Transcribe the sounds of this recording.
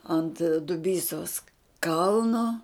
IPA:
ˈɐnt dʊˈbʲiːsoːs ˈkɐlˠnoː

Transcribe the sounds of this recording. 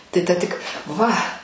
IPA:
tɐɪ ˈtɐ tʲɪk ˈʋɐ

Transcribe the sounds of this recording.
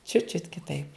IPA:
t͡ʃʲʊt t͡ʃʲʊt kʲɪˈtɐɪp

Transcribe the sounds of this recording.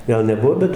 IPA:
ˈɡɐlˠ nʲɛˈbuɔ ˈbʲɛt

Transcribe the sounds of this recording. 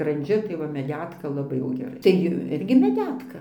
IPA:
skrɐnʲˈd͡ʒʲʊ tɐɪ ˈʋɐ mʲɛˈdʲæːtkɐ lˠɐˈbɐɪ jɛʊ ɡʲɛˈrɐɪ tɐɪ ˈɪrʲɡʲɪ mʲɛˈdʲæːtkɐ

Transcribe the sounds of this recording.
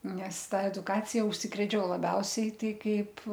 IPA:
nʲɛs ˈtɐ ɛdʊˈkɑːt͡sʲɪjɛ ʊʃʲˈsʲɪkrʲeːt͡ʃʲɛʊ lˠɐˈbʲɛʊsʲɛɪ ˈtɐɪ ˈkɐɪp

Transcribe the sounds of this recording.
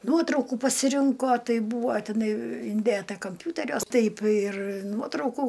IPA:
ˈnuɔtrɐʊkuː pɐsʲɪˈrʲɪŋkoː ˈtɐɪ ˈbuːʋoː tʲɪˈnɐɪ ɪnʲˈdʲeːtɐ kɐmʲˈpʲuːtʲɛrʲuɔs ˈtɐɪp ɪr ˈnuɔtrɐʊkuː

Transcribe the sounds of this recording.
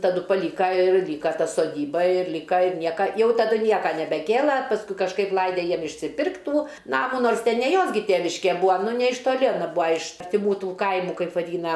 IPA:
tɐˈdʊ pɐˈlʲiːkɐ ɪr ˈlʲiːkɐ ˈtɐ soːˈdʲiːbɐ ɪr ˈlʲiːkɐ ɪr ˈnʲiɛkɐ ˈjɛʊ tɐˈdʊ ˈnʲiɛkɐ nʲɛbʲɛˈkʲeːlˠɐ pɐsˈkʊɪ kɐʃˈkɐɪp ˈlˠɐɪdʲɛ ˈjiɛm ɪʃʲsʲɪˈpʲɪrktʲ ˈtuː ˈnɑːmuː ˈnoːrs ˈtʲɛn nʲɛ ˈjoːs ɡʲɪ ˈtʲeːʋʲɪʃʲkʲɛ ˈbʊɐ ˈnʊ nʲɛ ɪʃ toːˈlʲɪ ɐˈnɐ ˈbuːɐ ɪʃ ɐrʲtʲɪˈmuː ˈtuː ˈkɐɪmuː ˈkɐɪp ʋɐˈdʲiːnɐ

